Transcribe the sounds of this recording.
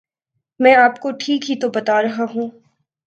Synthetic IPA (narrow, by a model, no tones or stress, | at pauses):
mɛ̃ːaːpkoʈʰiːkɦit̪obɐt̪aɾɐɦaɦũː